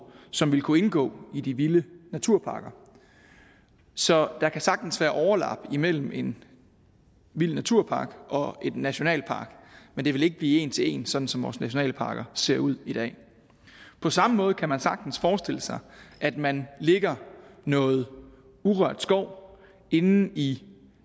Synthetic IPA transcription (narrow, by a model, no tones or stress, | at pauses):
sɒ̽mʋe̝lkʰue̝nɡ̥ɔ̰̽ːid̥iʋilənæt͡sʰuɐ̰pʰɑ̈ːɡ̥ɐ | sɒ̽d̥ɑ̈kʰæsɑ̈ɡ̥̚d̥n̩sʋæːɐʔɒʊɐlɑ̰̈b̥əimel̰m̩e̝n | ʋil̰næt͡sʰuɐ̰pʰɑ̈ːɡ̥ʔɒ̽e̝d̥næɕo̝nɛ̰ːlpʰɑ̈ːɡ̥mend̥e̝ʋe̝le̝ɡ̥əb̥liːe̝̰ːnt͡sʰe̝e̝̰ːnsɒ̽d̥n̩sɒ̽mʋɒ̰ːsnæɕo̝nɛ̰ːləpʰɑ̈ːɡ̥ɐse̝ɐ̰uð̞̰ˠid̥ɛ̰ː | pʰɒ̽sɑ̈məmɔ̽ːð̞̩ˠkʰæmænsɑ̈ɡ̥d̥n̩sfɒːsd̥e̝l̰əsɑ̈ɪʔæd̥mænle̝ɡ̥ɐnɔ̽ːð̞̩ˠ | uʁɶɐd̥sɡ̥ɒʊ̰ | e̝nn̩i